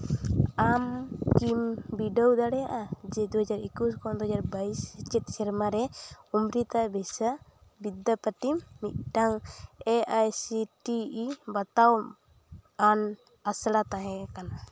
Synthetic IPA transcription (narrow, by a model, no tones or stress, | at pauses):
amkimbiɖəwd̪aɽɛjaʔad͡ʒɛd̪uɦad͡ʒaɾikuskɔ̃d̪uɦad͡ʒaɾbaisɛt͡ʃɛt̪̚sɛɾmaɾɛumɾit̪abɛsa | bid̪ːapəʈimːit̪̚ˀʈaŋɛʔajsiʈiibat̪aw | an | asɽat̪aɦɛ̃kana